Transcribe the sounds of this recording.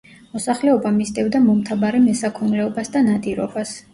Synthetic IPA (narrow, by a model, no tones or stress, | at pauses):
mɔsaχlɛɔbamist̪ʼɛvd̪amɔmt̪ʰabaɾɛmɛsakʰɔnlɛɔbasd̪anad̪ʼiɾɔ̰bas